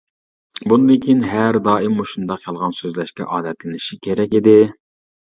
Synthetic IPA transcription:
bunɨd̪ɪkʲʰinɦæɾd̪ɑːimːoʃund̪ɑqjɑlˠʁɑnsøzlɛʃkʲɛ̰ʔɑːd̪ɛt̪lɪnɪʃikʲʰeɾɛkʲid̪ɪ

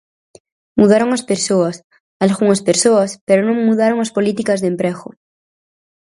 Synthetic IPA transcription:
muðaɾoŋaspeɾsoas | alɣuŋaspeɾsoaspeɾonõŋmuðaɾoŋaspolit̪ikazðempɾexo̰

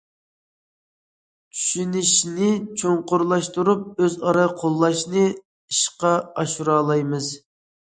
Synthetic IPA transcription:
t͡ʃʰy̥ʃynɪʃnɪt͡ʃʰoŋqʊɾlˠɑʃt̪uɾup̚øzɑɾɑqʰolˠːɑʃnɨ | iʃqɑɑʃuɾɑːlˠɑjmɨz

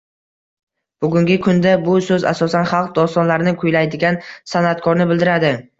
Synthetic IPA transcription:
b̥ʊɡʲʊŋɡʲɪkʰʊnd̪abʊsɵza̰sɒsanχɑlˠq̚d̪ɒst̪ɒnlaɾɪnɪkʰʊjlajd̪ɪɡʲansanat̪kʰɒɾnɪbɪld̪ɪɾad̪ɪ

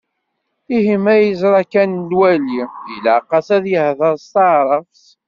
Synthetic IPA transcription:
ihimæjəzɾˤɑkændwælijəlaqɑsæðjəhðəɾˤst̪ɑʕɾˤəfs

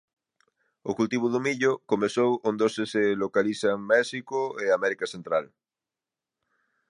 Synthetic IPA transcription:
okult̪iβ̞oðomiʎokomeθowond̪oseselokaliθaŋmɛsikoeamɛɾikaθent̪ɾal

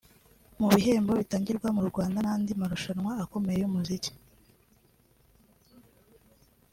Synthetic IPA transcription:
muβiɦe̞ːmbo̞βitaːɲɟiɾɡwamuɾuɾɡwaːndanaːndimaɾuʃanwaːko̞me̞jejumuzici̥

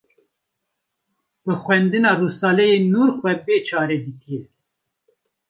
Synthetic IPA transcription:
bɨxʷwɛnd̪ɨnɑːrusɑːlɛjeːnuːɾxʷɛbeːt͡ʃʰɑːɾed̪ɨki

